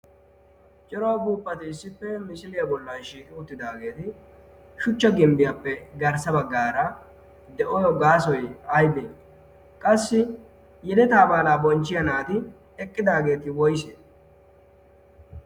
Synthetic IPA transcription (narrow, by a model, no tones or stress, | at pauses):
t͡ʃʼɪɾowbuːpʼːɐt̪ɪːsːɪpːɛmɪsɪlɪjɐbɔlːɐnʃiːkʼɪʊt̪ːɪd̪aːɡe̞ːt̪ɪ | ʃʊt͡ʃːɐɡɪmbɪjapːɛɡɐɾsɐbɐɡːaːɾɐ | d̪ɛʔɔjɔɡaːsɔjɐjbeː | kʼɐsːɪ | jɛd̪ɛt̪aːbaːlaːbɔnt͡ʃːɪjɐnaːt̪ɪ | ɛkʼːɪd̪aːɡe̞ːt̪ɪwɔjse